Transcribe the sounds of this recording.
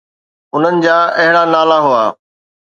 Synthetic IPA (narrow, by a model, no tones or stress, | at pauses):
ʊn̤ənɪ̆d͡ʑaːɐɦɪɽanaːlaɦuaː